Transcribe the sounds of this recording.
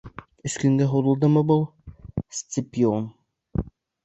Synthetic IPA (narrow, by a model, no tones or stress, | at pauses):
ɵ̆skɵ̆ŋɡæɦuɾɤ̆lˠd̪ɤmɤbɤlˠsʲt͡s̪ʲɪpʲion